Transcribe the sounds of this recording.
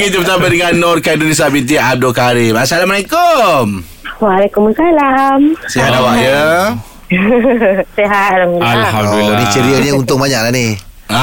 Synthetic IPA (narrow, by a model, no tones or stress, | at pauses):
ɡit̪əbət̪abədəŋanːɔrkaidunis̬aʔbit̪̬iab̚dʊlkaɾipasalaməɾekom | walekumsalamseɦat̪awaʔjə | seɦat̪̚laalanit͡ʃəɾiəɲəunt̪ʊŋbaɲaʔlahni | a